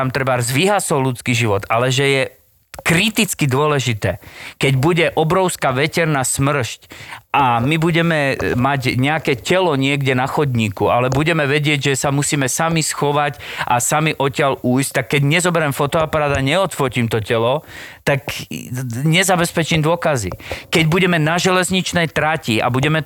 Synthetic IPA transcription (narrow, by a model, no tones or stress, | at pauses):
amt̪ɾɛbaɾzʋiɦasɔʊlut͡skiʒiʋɔt̪alɛʒɛjɛ | kɾit̪it͡skid̪ʊɔlɛʒit̪ɛːkɛɟbuɟɛʔɔbɾɔʊskaʋɛcɛɾnasmr̩ʃcʔamibuɟɛmɛmacɲɛakɛcɛlɔɲɪɛɡɟɛnaxɔd̪ɲiːkualɛbuɟɛmɛʋɛɟɪɛɟʒɛsamusiːmɛsamisxɔʋacʔasamiʔɔcɪalujsc̚t̪akːɛɟɲɛzɔbɛɾɛmfɔt̪ɔapaɾaːd̪aɲɛɔt̪fɔcimt̪ɔcɛlɔt̪ak | ɲɛzabɛspɛt͡ʃimd̪ʊɔkazḭkɛɟbuɟɛmɛnaʒɛlɛzɲit͡ʃnɛjt̪ɾacia̰buɟɛmɛ